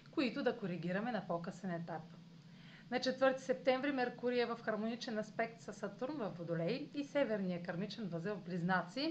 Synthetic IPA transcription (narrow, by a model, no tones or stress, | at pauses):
koit̪ʊd̪ɐkoɾiɡʲiɾɐmɛnɐpokɤsɛnɛt̪ap | nɐt͡ʃɛt̪vɤɾt̪i̥sɛp̚t̪ɛɱvɾimɛɾkuɾijəvɐfxɐɾmonit͡ʃɛnɐspɛk̚t̪sɐsɐt̪uɾnvɐfːod̪olɛjisɛvɛɾnijəkɐɾmit͡ʃɛnvɐzɛlˠvbliznat̪si